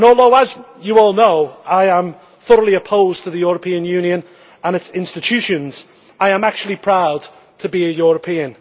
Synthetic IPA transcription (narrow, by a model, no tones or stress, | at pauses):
nɔːlˠðoʊəz | jəɔːlˠnoʊaɪə̃m | θʌɾəlˠiəpʰoʊztʰəðəjɔːɹəpʰĩə̃njʉ̃ːnjə̃n | ə̃nɪtsɪ̃nstɪt͡ʃʰʉˑʃə̃nz̥ | aɪə̃mak̚t͡ʃuəlˠipʰɹ̥aʊd | tʰəbiəjɔɹəpʰĩə̃n